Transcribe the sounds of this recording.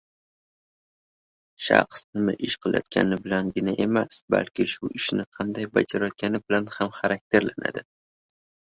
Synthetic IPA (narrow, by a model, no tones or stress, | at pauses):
ʃɑ̰qsnɪmɪʔɪʃqʰɨlˠajɒ̰t̪̚kʲʰa̰nɪbɪlanɡʲɪnaʔe̞masba̰lkʲɪʃʊʔɪʃnɪqʰɑnd̪ajbad͡ʒaɾɒt̪̚kʲanɪbɪlanhamχaɾak̚ʲt̪ʰe̞ɾlana̰d̪ɪ